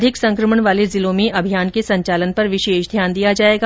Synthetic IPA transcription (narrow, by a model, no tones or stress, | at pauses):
d̪ʱɪksɐ̃ŋkɾəməɳ̃ʋaːlezɪlõːmẽʔɐbʱijaːnkesɐ̃ɲt͡ʃaːlənpɐɾʋɪʃeːʃd̪ʱjaːnd̪ijad͡ʒaːeːɡa